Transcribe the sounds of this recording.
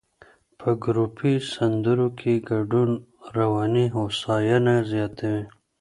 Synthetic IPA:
pʰəɡɾupʰisand̪əɾokʰeɡaɖunɾawɑniɦosɑjanazjɑt̪ʰawi

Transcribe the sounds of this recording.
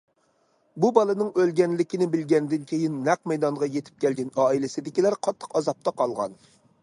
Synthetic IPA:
bubɑlˠɨnɨŋølɡʲɛnlɪkʲɪnɪbɪlɡʲɛnd̪ɪnkʲʰejinːæqmɛjd̪ɑŋʁɑjet̪ʰɪ̥p̚kʲʰɛlɡʲɛnɑːilɪsɪd̪ɪkʲilæɾqʰɑt̪ʰːə̥qɑzɑp̚t̪ʰɑqʰɑlˠʁɑ̰n

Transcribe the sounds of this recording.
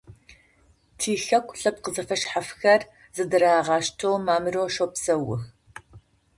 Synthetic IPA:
tʰiːxɐkʷʰʼɬɐp̚qəzɐfɐʃħafxɐr | zɨdɨɾaːʁɑːʃtʰowmaːmɨroːʃoːpsɐwʊ̰x

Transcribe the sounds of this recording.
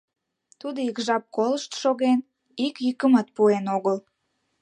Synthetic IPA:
t̪ud̪oikʒɑp̚koləʃt̪ʃoɣen | ikjykəmət̪̚puenoɣəl

